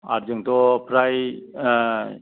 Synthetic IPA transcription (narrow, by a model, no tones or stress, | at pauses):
a̰ɾd͡ʒəŋt̪ɔpʰɾaj